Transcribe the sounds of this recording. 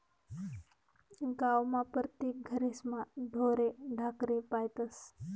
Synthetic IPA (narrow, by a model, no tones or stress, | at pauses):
ɡawmapɾət̪jek̚ɡʱəɾesmaɖʱoɾeɖʱakɾepajt̪əs